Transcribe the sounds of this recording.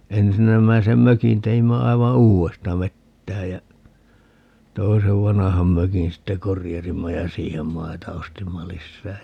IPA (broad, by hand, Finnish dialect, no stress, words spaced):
ensinːæmæisem møkin teimːæ ɑiʋɑ uːestɑ ʋetːæej jæ toiseʋ ʋɑnɑhɑm møkin sitːe korijɑsimːɑ jɑ siːhem mɑitɑ ostimːɑ lisːæː